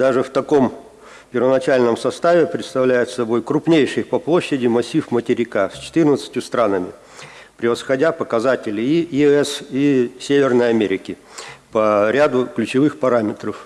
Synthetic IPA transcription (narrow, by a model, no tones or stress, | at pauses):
d̪aʐɨft̪ɐko̞m | pʲɪrvənɐt͡ɕælʲnəmsɐst̪avʲɪpɾʲɪt̪st̪ɐvlʲæjɪt̪sɐbo̞jkɾʊpnʲejʂɨjpɐplˠoɕːɪdʲɪmɐsʲifmətʲɪɾʲɪkasʲt͡ɕɪ̥t̪ɨrnət̪sə̥tʲjʊst̪ɾanəmʲɪ | pɾʲɪvəsxɐdʲapəkɐzatʲɪlʲɪijɪɛsisʲevʲɪrnəjɐmʲeɾʲɪkʲɪ | pɐɾʲad̪ʊklʲʉt͡ɕɪvɨxpɐɾamʲɪt̪rəf